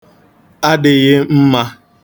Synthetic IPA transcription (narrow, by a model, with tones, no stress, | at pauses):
a˦dɪ˨ɣɪ˦m̩˦ma˦